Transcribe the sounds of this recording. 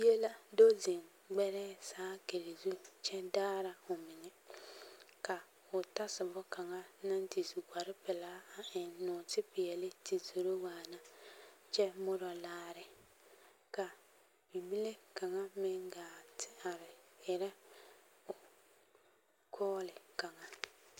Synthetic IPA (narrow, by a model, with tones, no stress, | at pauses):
bi˦e˦la˦do˦zi˨ŋ | ɡ͡bɛ˦ɾɛː˦saː˦ke˨ɾe˨zu˦t͡ʃɛ˦daː˦ɾa˨ʊ˨mɪ˨nɛ˦ | ka˨ | ʊ˨ta˦sɪ˨bɔ˦ka˨ŋa˦na˦nti˨zu˨ɡʷa˨ɾɪ˦pɛ˨laː˦a˨ɪ˨nnʊ˨tɪ˦pɪ˨jɛ˨lɪ˦ti˨zo˨ɾo˦waː˨na˦t͡ʃɛ˦mʊ˦ɾɔ˨laː˦ɾɪ˨ | ka˨ | b̥i˨bi˦le˦ka˨ŋa˦mɪ˦ŋɡaː˨tʰɪ̥˦a˨ɾɪ˨ɪ˨ɾɛ˦ | ʊ˨ | kʰɔː˦lɪ˨ka˨ŋa˨